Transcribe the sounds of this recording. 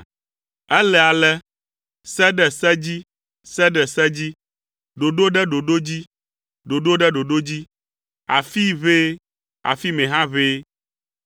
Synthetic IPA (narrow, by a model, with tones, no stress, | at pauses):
ɛ˦lɛ˨a˨lɛ˦ | sɛ˦ɖɛ˨sɛ˦d͡ʑi˦ | sɛ˦ɖɛ˨sɛ˦d͡ʑi˦ | ɖo˨ɖo˦ɖɛ˦ɖo˨ɖo˦d͡ʑi˦ | ɖo˨ɖo˦ɖɛ˦ɖo˨ɖo˦d͡ʑi˦ | a˨fi˦βe˦ | a̰˨fi˦mẽ˨ɦã˦βe˦